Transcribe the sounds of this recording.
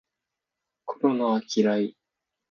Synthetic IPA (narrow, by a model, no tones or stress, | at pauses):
koɾo̞naβakʲʰiɾai